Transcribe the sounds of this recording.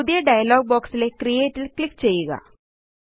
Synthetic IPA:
ud̪ijɐɖɐjɐloːɡ̚boːksile̞krije̞ːtːilklikːt͡ɕe̞jːuɣɐ̰

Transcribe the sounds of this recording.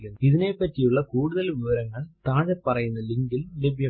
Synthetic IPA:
ɾunːuiðine̞pːɐtːijuɭːɐkuːɽuðɐlʋiʋɐɾɐŋːɐɭt̪aːðɐpːɐrɐjunːɐliŋɡillebʱjɐ

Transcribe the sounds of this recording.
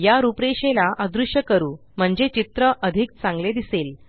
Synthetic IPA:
jaɾupɾeɕelaʔəd̪ɾuʂjəkəɾuː | m̤əɳd͡zet͡ɕit̪ɾəʔəd̪ʱik̚t͡sãŋɡled̪isel

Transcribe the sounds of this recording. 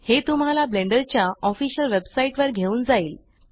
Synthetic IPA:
het̪um̤alablẽɳɖəɾt͡ɕjaɔfiɕəlʋebsaiʈʋəɾɡʱeuːnd͡zaiːl

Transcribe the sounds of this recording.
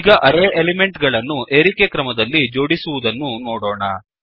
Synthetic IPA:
iɡɐʔɐɾeːʔelime̞ɳʈɡɐɭɐnːuʔe̞ːɾikekɾɐmɐd̪ɐlːid͡ʒo̞ːɽisuʋud̪ɐnːunoːɽoːɳɐ

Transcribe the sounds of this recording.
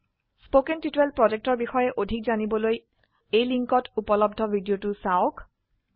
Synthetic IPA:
spokentitɹelpɹɔd͡ʒek̚tɔɹbixɔjɛʔodʱik̚zanibɔloj | ejliŋkɔtʰupɔlɔb̚dʱɔbʱidijotʊsawok

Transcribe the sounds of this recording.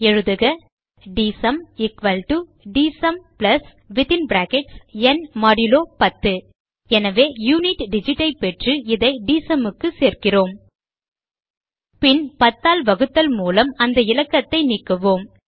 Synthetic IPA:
ɛɻɯðɯɣɐ | ɖiːsɐmɪkʋɐlʈu | ɖiːsɐmplɐs | ʋɪt̪ɪnbɾaːkɛʈsɛnmɐɽɪloːpɐt̪ːɯ | ɛnɐʋeːjuːnɪʈɖɪd͡ʒɪʈːɐɪpːɛʈrɯɪðɐɪɖiːsɐmɯkːɯseːrkɪroːm | pɪnpɐt̪ːaːlʋɐɣɯt̪ːɐlmuːlɐmɐnd̪ɐɪlɐkːɐt̪ːɐɪniːkːɯʋoːm

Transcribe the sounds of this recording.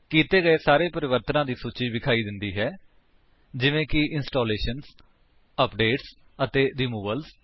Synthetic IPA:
kiːt̪eːɡəeːsaːɾeːpəɾɪʋəɾt̪ənãːd̪iːsuːt͡ʃiːbɪkʰaːiːd̪ɪnd̪iːɦɛː | d͡ʒɪʋẽːkɪʔɪnsʈoːleːʃənz | əpɖeːʈs | ət̪eːɾiːmuːʋəlz

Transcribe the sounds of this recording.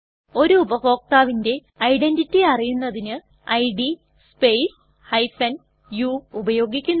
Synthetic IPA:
o̞ɾuubɐɦo̞ːk̚t̪aːʋinde̞ | ɐjɖenditːiɐrijunːɐðinɨ | ɐjɖi | spe̞js | hɐjfɐn | juːubɐjo̞ːɡikʲːunː

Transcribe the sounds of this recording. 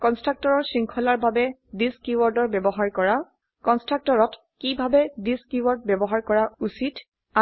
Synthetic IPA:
kɔnstɹak̚tɔɹɔɹsɹiŋkʰɔlaɹbabɛdiskiwɔɹdɔɹbɛbɔɦaɹkɔɹa | kɔnstɹak̚tɔɹɔt | kibʱabɛdiskiwɔɹd̚bɛbɔɦaɹkɔɹausit | a

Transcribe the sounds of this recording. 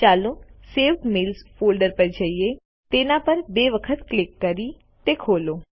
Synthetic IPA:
t͡ʃaːloseːʋʈmeːlspʰoːlɖəɾpəɾd͡ʒaːie | t̪eːnãpəɾbeːʋəkʰət̪klɪkːɐɾi | t̪ekʰoːloː

